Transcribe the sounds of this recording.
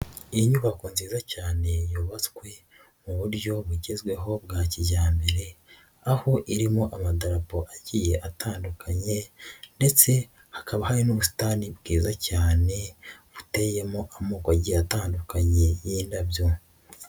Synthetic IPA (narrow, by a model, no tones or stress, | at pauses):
iɲuβakuːnziːzacaːne̞juːβat͡skwe̞ | muβuɾjo̞βuɟe̞zɡwe̞ɦo̞bɡaːciɟaːmbe̞ɾe̞ | aho̞ʔiɾimo̞ʔamadaɾapoʔaɟije̞ʔatʰaːndukʰaɲe̞nde̞t͡se̞ | hḁkaβahaɾinoβusi̥tanibɡ̥iːzacaːne̞βuteːje̞moʔamuːkoaɟiːjataːndukaɲe̞jiːndabjo̞